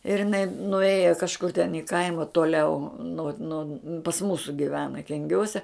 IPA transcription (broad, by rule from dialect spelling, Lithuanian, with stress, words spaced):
ɪr ɪˈnɐɪ nʊˈeːjɛ kɐʃˈkʊr tʲɛn ɪ ˈkɐɪmɐ toːˈlʲɛʊ noː noː pɐs ˈmuːsʊ ɡʲɪˈʋʲæːnɐ kʲɛŋʲˈɡʲuɔsʲɛ